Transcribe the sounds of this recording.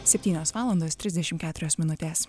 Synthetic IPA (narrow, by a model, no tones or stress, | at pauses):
sʲɛpʲt̪ʲiːnʲoːsʋɑːlˠɐnd̪oːst̪ʲɾʲɪzd̪ʲɛʃʲɪmtkʲæːt̪ʊɾʲoːsmʲɪnʊt̪ʲeːs